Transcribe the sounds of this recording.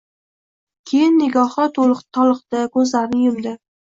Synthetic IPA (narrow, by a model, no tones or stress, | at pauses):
kʲʰejɪnːɪɡʲɒhɑt̪ʰʊlˠɨqt̪ʰɒlˠɨqt̪akʰɵzlaɾɪnɪjʊmd̪ɪ